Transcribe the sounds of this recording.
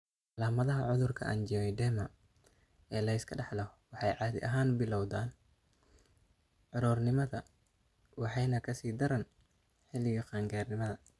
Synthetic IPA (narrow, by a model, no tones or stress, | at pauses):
ʕɑlaːmɐðɐɦɐʕʊðʊrkʰɐ̰ʔɐ̰nd͡ʒɪɛjd̪ɛːmɐ | ɛːlɐɪskʰɐɖɑħlɐhwɑħɑjʕɑːðɪ̰ʔɐɦaːnbɪlɔwðaːn | ʕʊɾuːrnɪmɐðɐ | wɑħɑjnɐkʰɐsiːd̪ɐɾɐn | ħɪlɪɣɐqɑːŋɡaːrnɪmɐðɐ